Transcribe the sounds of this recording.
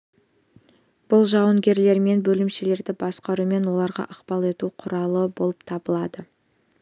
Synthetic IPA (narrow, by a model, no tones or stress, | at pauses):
b̥ʊlˠʒɑwəŋɡʲe̞ɾle̞ɾme̞nbɵlɪmʃele̞ɾd̪ɪbɑsqɑɾume̞nwo̞lˠɑɾʁɑ̰ʔəqpɑlˠe̞t̪uqʰʊɾɑlˠəbo̞lˠəpt̪ʰɑbəlˠɑd̪ə